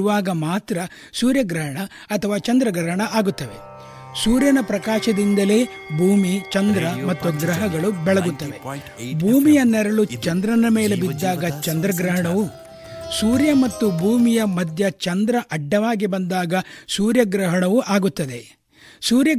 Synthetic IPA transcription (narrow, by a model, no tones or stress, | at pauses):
uʋaːɡɐmaːt̪ɾɐ | suːɾjɐɡɾɐɦɐɳɐː | t̪ʰɐʋaːt͡ʃɐnd̪ɾɐɡɾɐɦɐɳɐʔaːɡut̪ːɐʋe̞ | suːɾjɐnɐpɾɐkaːʃɐd̪ind̪ɐle̞ː | bʱuːmit͡ʃɐnd̪ɾɐmɐt̪ːuɡɾɐɦɐɡɐɭubɛɭɐɡut̪ːɐʋe̞ | bʱuːmijɐnːɛɾɐɭut͡ʃɐnd̪ɾɐnɐmeːlebid̪ːaːɡɐt͡ʃɐnd̪ɾɐɡɾɐɦɐɳɐʋu | suːɾjɐmɐt̪ːubʱuːmijɐmɐd̪ʱjɐt͡ʃɐnd̪ɾɐʔɐɖːɐʋaːɡibɐnd̪aːɡɐsuːɾjɐɡɾɐɦɐɳɐʋuʔaːɡut̪ːɐd̪e̞ | suːɾjɐ